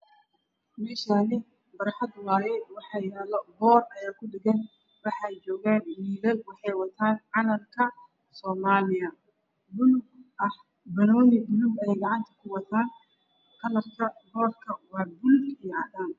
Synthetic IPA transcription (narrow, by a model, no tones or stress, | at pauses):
mɛːʃanɪ | bɐɾħɑd̪ʊlaːjɛwɑħɑɪɾaːlɔbɔːrɐjaːkʰʊɖɪɡɛn | wɑħɑjt͡ʃɔːɣaːnmiːðɐlwɑħɑjwɑt̪ʰaːnʕɑnɐlkʰɐ | sɔːmaːlɪjɐ | bʊlʊɡʔɐh | bɐnɔːjɪbʊlʊɡɛjɡɑʕɑnt̪ʰɐ̥kʰʊwɑt̪ʰaːn | kʰɐlɐrkʰɐbɔːrkʰɐwɑːbʊlɡijɔʕɑðaːm